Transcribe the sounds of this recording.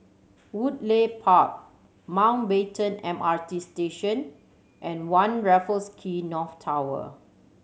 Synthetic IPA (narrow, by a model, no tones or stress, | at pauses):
wudlepʰak̚ | mãw̃nbetə̃nɛ̃matisteʃə̃n | ʔɛ̃nwãnɹɛfəskʰinɔftʰawə̰